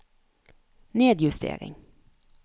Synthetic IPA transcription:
neːd̪jʉst̪ḛːɾɪ̰ŋ

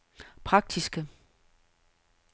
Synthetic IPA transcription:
pʰʁɑ̈ɡ̥̚d̥isɡ̥ə

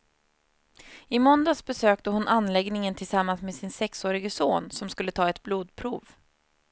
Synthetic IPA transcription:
ɪmɔnd̪asbɛsøːk̚t̪əɦʊnʔanlɛɡnɪŋənt̪ʰɪlsamːansmeːsɪnsɛksoːɾɪɡəsoːnsɔmskɵlːət̪ʰɑːɛt̪bluːd̪pʰɾuːv

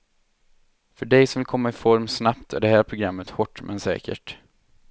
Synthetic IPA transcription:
fœɖɛjsɔmvɪlkʰɔmːaɪfɔɾmsnapt̪ʰæ̰ɖɛhæːɾpʰɾʊɡɾamːət̪hɔʈːmʔɛnsɛ̰ːkə̰ʈ

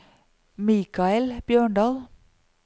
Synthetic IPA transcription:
miːkʰɑɛlb̥jøːɳɖɑːl

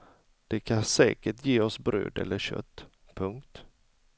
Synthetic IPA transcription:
d̪̥ɛkʰansɛːkəʈjeːɔsbɾø̰ːd̪ɛ̰lːəɕœ̰t̪ː | pʰɵŋk̚t̪

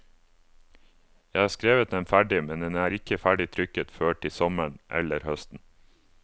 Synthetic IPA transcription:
jæɪhɑːskɾeːʋət̪̚d̪ɛmfæɖɪmɛnd̪ɛnæːɾɪkəfæɖɪt̪ʰɾʏkət̪føːʈɪsɔməɳʔɛ̰ləɾhœst̪n̩

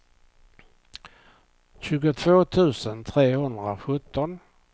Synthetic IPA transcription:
ɕʉ̟ːɡʊt̪ʰvoːt̪ʰʉ̟ːsənt̪ʰɾeːhɵnd̪ɾaɧɵt̪ːɔn

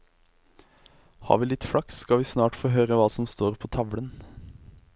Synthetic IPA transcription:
hɑ̰ːɾʋiːlɪt̪fɽɑkskɑʋiːsnɑːʈfoːɦøːɾəʋɑːsɔmst̪oːɾpʰoːt̪ʰɑʋɽən

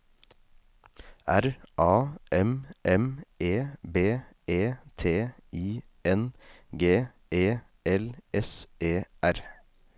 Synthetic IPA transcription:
æɾʔɑːʔɛmʔɛmeːbeː | eːt̪ʰeːiː | ɛnɡeː | ʔeː | ɛlɛseːʔæɾ

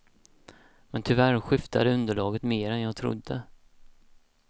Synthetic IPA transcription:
mɛnt̪ʰʏvæɾɧɪft̪ad̪əɵnd̪əɭɑːɡət̪meːɾɛnjɑːɡt̪ʰɾʊ̰d̪ːə

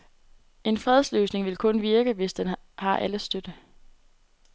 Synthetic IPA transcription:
e̝nfʁɛð̞ˠslø̰ːsne̝ŋʋe̝lkʰɔ̽nʋiɐɡ̥əʋe̝sd̥enhɑ̈ʔæləsd̥ød̥ə

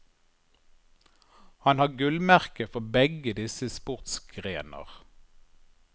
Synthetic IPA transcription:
hɑnhɑːɡʉlmæʁkəfɔbɛɡəd̪ɪsəspʊʁt̪sɡʁeːnə̰ʁ

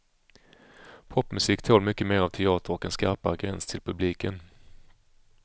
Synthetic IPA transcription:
pʰɔpːmɵsiːkt̪ʰɔlmʏkːəmeːɾavt̪ʰɛɑːt̪əɾɔkɛnskaɾpaɾəɡɾɛnst̪ʰɪlpʰɵbliːkən

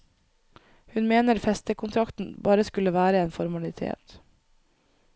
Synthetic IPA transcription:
hʉnmeːnəɾfɛst̪əkʰʊnt̪ʰɾɑkt̪n̩bɑːɾəskʉlːəʋæːɾəeːnfɔɾmɑlɪt̪ʰḛːt̪

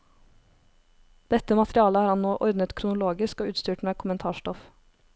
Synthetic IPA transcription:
d̪̥ɛt̪əmɑt̪ɾɪɑːləhɑːɾhɑnnoːʔɔɾd̪nət̪kʰɾʊnʊloːɡɪskoːʉːt̪st̪yːʈmeːkʰʊmənt̪ʰɑːʃʈɔf

